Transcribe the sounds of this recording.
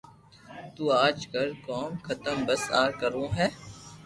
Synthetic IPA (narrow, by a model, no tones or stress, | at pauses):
t̪uːaːd͡ʒkɐlkɔːmxɐt̪əmbɐsaːɾkəɾõːɦɛː